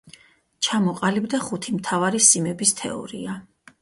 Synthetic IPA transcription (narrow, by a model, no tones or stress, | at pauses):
t͡ʃʰamɔqʼalibd̪aχut̪ʰimt̪ʰavaɾisimɛbist̪ʰɛ̰ɔ̰ɾḭa